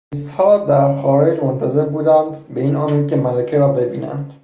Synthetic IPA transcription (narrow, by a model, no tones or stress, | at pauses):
ist̪hɒːd̪æɾxɒːɾe̞d͡ʒmont̪ʰæze̞ɾbuːd̪ænd̪be̞iːnɒːmid̪cʰe̞mælæcʰeɾɒːbe̞biːnæ̰ndd̪̥